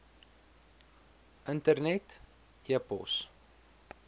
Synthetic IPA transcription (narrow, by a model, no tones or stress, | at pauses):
ʔəntərnɛt | iəpɔ̰s